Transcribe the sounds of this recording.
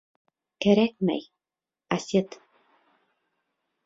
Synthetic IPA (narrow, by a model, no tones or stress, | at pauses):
kæɾæk̚mæ̰j | asʲet̪